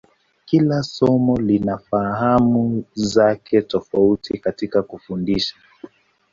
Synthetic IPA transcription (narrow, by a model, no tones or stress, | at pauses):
kilasɔmɔlinafaɦamuzakʰɛtɔfautikatikakufundiʃḁ